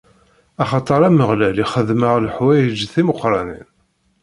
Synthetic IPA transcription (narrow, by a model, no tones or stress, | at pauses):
ɑχɑt̪ˤəɾˤæməʁlæliχəðməʁlħwæjəd͡ʒːθiməqːɾˤɑnḭn